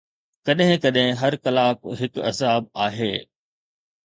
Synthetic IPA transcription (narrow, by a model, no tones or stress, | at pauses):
kɐɗɦɪ̃kɐɗɦɪ̃ɦɐɾkɐlaːkɦɪkɐ̰zaːb̚aːɦeː